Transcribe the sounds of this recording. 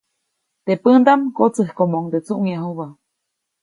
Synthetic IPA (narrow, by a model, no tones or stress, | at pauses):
t̪epənd̪amkot͡sɨhkomoŋd̪et͡suʔŋjaɦuβa